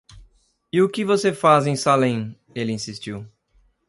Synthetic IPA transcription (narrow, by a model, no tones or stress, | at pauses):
ɪʊkɪvosefazẽj̃salẽj̃ | elɪĩsist͡ʃiw